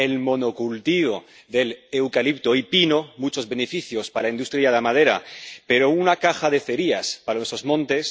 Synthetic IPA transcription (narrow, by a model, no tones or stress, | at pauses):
elmo̞no̞kult̪iβo | ðe̞lewkalip̚t̪oipino̞mut͡ʃo̞zβe̞nefiθjospalainust̪ɾiaðamað̞e̞ɾa̰pe̞ɾo̞unakaxaðeθe̞ɾiaspaɾanesɾozmõ̞nt̪e̞s